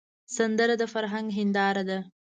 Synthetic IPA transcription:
sand̪əɾad̪əfaɾɦaŋɡɦɪnd̪ɑɾad̪a

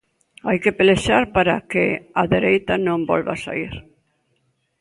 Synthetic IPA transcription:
ajkepeleʃaɾpaɾakɪaðeɾejt̪anõmbɔ̰lβa̰sa̰iɾ

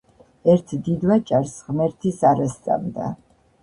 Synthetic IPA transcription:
ɛɾt̪ʰd̪id̪vat͡ʃʼaɾsʁmɛɾt̪ʰisaɾast̪sʼa̰md̪a̰

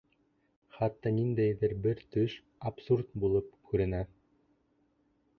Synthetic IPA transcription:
χɑt̪ːɑnind̪æjðɘɾbɘɾt̪ɵʃ | ɐpsurt̪̚bulˠɤp̚kʉɾɘ̆næ

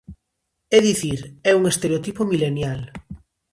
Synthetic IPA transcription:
ɛðiθiɾɛuŋest̪eɾeot̪ipomilenjal

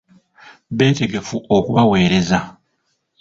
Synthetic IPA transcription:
βe̞ːte̞ɡe̞fuʔokuβawe̞ːɾe̞za

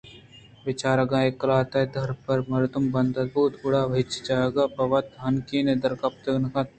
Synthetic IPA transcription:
ʋɪt͡ʃaːɾɐɡãːekːɐlaːt̪ɐd̪ʱɐɾpɐɾmɐɾɪt̪umbɐnd̪ɐt̪̚buːt̪buɽaːʋet͡ʃd͡ʒaːeɡaːbɐʋɐt̪ɦɐnkiːned̪ɐɾkɐp̚t̪əɡnɐkɐt̪̚

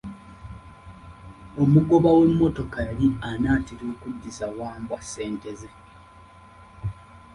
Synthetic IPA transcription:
o̞muɡo̞βawe̞mːo̞to̞kajalianaːtiɾoːkudːisawaːmbwase̞ːnte̞ze

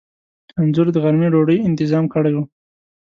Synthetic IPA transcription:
anzʊɾd̪əɣaɾmiɖoɖəjɪnt̪ɪzɑmkəɽajwu

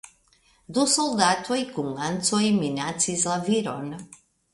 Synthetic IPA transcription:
d̪usɔlˠd̪at̪ʰɔikuŋansɔiminat̪sizaviɾɔn

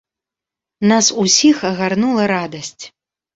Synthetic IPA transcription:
nasusʲixɐɣarnulˠɐɾad̪ɐsʲt͡sʲ

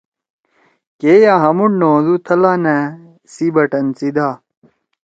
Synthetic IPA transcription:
keːjaːɦɐmuɳnoːzut̪ʰɐlaːnæ | sibɐʈɐnt͡sid̪aː

